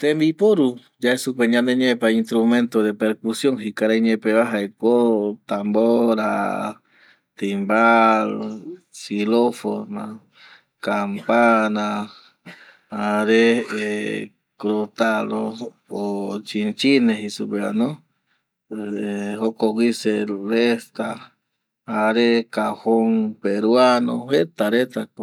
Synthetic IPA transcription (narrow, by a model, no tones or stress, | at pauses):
t̪embipoɾu | d͡ʒaesupeɲãnd̪eɲepaint̪ɾumẽnt̪oðepeɾkusjoŋɦikaɾaɲepeβaɦaekot̪amboɾa | t̪imbalosilofona̰ | kampana | aɾee | kɾot̪alo | ot͡ʃint͡ʃineɦisubea̰no | hokoɡiselest̪aː | ɾekahoŋpeɾwanohet̪aɾet̪ak